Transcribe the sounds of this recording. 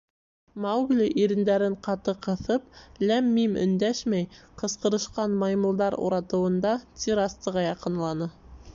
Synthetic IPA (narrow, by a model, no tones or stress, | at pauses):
mɑwɡlʲiʔiɾɘ̆nd̪æɾɘɴqɑt̪ɤqɤ̆θɤp̚læmːimɵ̰̆nd̪æʃmæjqɤ̆sqɤ̆ɾɤ̆ʃqɑnmɑjmulˠd̪ɑɾṵɾɑt̪ɤ̆wɤ̆nd̪ɑt̪ʲiɾɑst̪ɤ̆ʁɑjɑqɤ̆nlˠɑnɤ